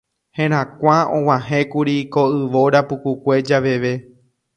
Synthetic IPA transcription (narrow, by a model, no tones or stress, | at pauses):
hẽɾ̃ãkʷaõ̰w̃ãɦẽkuɾikoɨʋoɾapukukʷe̞d͡ʒaʋe̞ʋe̞